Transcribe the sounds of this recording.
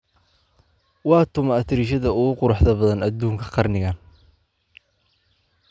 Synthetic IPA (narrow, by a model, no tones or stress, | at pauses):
wɑːt̪ʰʊmɐɐt̪ʰɪɾiʃ̬ɐðɐʊɣʊqʊɾʊħðɐbɐðɐnɐd̪uːŋkʰɐ̥qɑrnɪɣɐn